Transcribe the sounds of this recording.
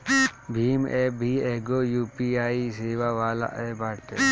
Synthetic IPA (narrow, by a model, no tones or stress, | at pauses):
bʱiːmebʱiːeɡojuːpiaːiseːʋaʋaːla̰ʔebaːʈḛ